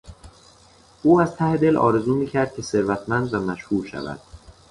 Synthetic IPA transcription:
ʔuːæz̥t̪ʰæhed̪e̞lʔɒ̰ːɾe̞zuːmiːcʰæɾd̪̥̚cʰe̞se̞ɾvæt̪ʰmænd̪væmæʃhuːɾʃæ̰væ̰d̪̥

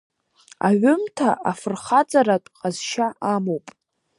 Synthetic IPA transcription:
a̰ʕʷʊmtʰaʔafɨrχat͡sʼaɾatʷʼqʼazʃaʔamowpʼ

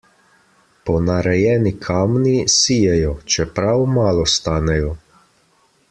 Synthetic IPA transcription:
pɔnaɾɛjɛːnikʰaːmnisiːjɛjɔt͡ʃɛpɾawmaːlɔst̪aːnɛjɔ

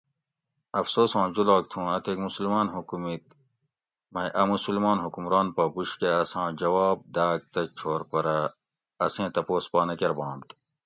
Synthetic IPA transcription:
ɐfsoːsɑ̃ːd͡ʑulaːk̚t̪ʰũːɐt̪ekmusulmaːnɦukumit̪̚ | mɐjʔɐmusulmɑːnɦukumɾɑːnpɐbuɕkeɐsãːd͡ʑɐwaːb̚d̪aːɡ̚t̪ɐt͡ʃʰoːɾpɐɾɐ | ɐsẽːt̪ɐpoːspɑːnɐkeɾbɑ̃ːnt̪

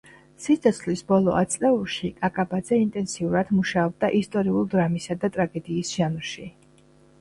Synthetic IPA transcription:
sit̪sʰʼɔt̪sʰχlisbɔlˠɔʔat̪sʼlɛulˠʃikʼakʼabad̪zɛint̪ʼɛnsiuɾad̪muʃaɔb̚d̪aʔist̪ʼɔɾiulˠd̪ɾamisad̪at̪ʼɾaɡɛd̪iːsʒ̥amɾʃi

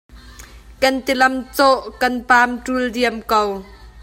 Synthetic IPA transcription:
kɐnt̪ilɐmt͡sɔʔkɐnpaːmʈuldiəmkow

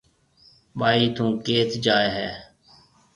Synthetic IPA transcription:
ɓaːiːt̪ũːkeːt̪d͡ʒaːeːɦɛ̰ː

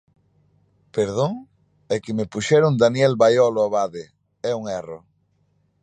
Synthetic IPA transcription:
peɾðoŋ | ɛkɪmɪpuʃɛɾʊŋd̪anjɛlβajɔloaβaðɪ | ɛuŋɛro

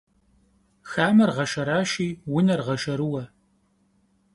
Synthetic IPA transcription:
xaːmɐrʁɐʃɐɾaːʃiːwʊnɐrʁɐʃɐɾɨwɐ

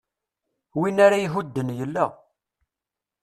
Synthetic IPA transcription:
winaɾajɦud̪ːənjəlːa̰

